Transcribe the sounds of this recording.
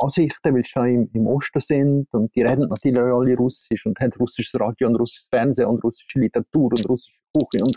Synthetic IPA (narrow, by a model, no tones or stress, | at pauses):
ʔɑːsɪχtəvɪlsʃoɪmɪmʔoʃtəsɪndʊnt̚d̥iːɾɛdn̩nɑtyːlɪɑliɾʊsɪʃʊnthɛntrusɪʃəsrɑːdjoʊndɾʊsɪ̥ʃsfɛɾnzeːʊndɾʊsɪ̥ʃəlitəɾɑtuːɾʊndɾʊsɪ̥ʃəb̥uχəʊnd